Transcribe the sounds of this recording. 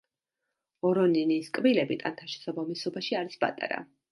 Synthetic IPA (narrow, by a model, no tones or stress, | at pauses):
ɔɾɔniniskʼbilɛbit̪ʼa̰nt̪ʰaʃɛ̥sabamisɔbaʃiaɾispʼa̰t̪ʼa̰ɾa̰